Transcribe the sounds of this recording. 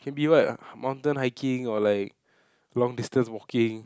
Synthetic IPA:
kʰɛ̃nbiwakmãw̃ntə̃nɦaɪkʰɪ̃ŋɔlaɪk̚ | lɔ̃ŋdistə̃nswɔkĩŋ

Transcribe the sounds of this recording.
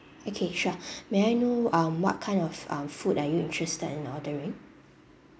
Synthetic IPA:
okʰeʃameajnoãmwɔ̰t̚kʰãɪ̃nɔfã̰mfudajuĩntɹɛstədɛ̃nɔdəɹĩŋ

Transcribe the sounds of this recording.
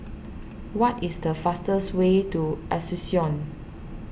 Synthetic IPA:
wɔtisdəfastəswetuʔɛsusiɔ̃n

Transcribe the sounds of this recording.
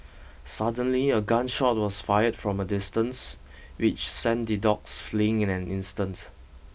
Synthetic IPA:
sadə̃nliəɡãnʃɔt̚wɔsfajədfɹɔ̃mədɪstə̃ns | wɪt͡ʃsɛ̃ndidɔksfliɪ̃ŋɪ̃nɛ̃nɪ̃nstə̃nt

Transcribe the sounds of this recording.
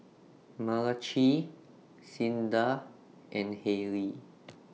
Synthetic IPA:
malat͡ʃi | sĩnda | ʔɛ̃nhɛɹi

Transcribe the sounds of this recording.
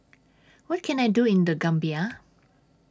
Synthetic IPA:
wɔt̚kʰɛ̃najduɪ̃nd̪əɡãmbia

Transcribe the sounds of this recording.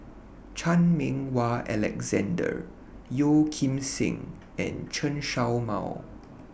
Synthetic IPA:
t͡ʃʰãnmĩŋwaʔɛlɛ̰kzɛ̃ndə̰ | jokʰĩmsḭ̃ŋ | ɛ̰̃nt͡ʃʰə̃nʃawma̰w

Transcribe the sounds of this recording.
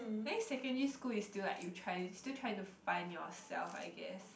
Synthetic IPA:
nɛksɛkə̃niskulistilla̰ʔjutʰɹaɪustilˠtʰɹajɪ̃ŋtufãɪ̃njɔ̰sɛ̰lfa̰ɪɡɛ̰s

